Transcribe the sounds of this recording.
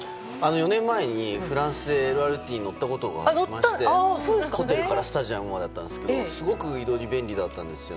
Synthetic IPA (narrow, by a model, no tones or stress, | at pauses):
ano̞jo̞nẽ̞mːae̞ɲ̟iɸɯ̟ɾãɰ̃sɨeɾɯaɾɯ̟t̪ʲiːɲ̟ino̞t̪ːako̞t̪o̞ɡa̰ːɾimaɕi̥t̪esoːd̪esho̞t̪̬e̞ɾɯ̟kaɾasɨ̥t̪aʑiamɯ̟mad̪at̪ːãnd̪eskeosɨɡo̞kɯ̟id̪o̞ɾʲibẽ̞ɲʲɾʲid̪at̪ːãnd̪e̞sɨjo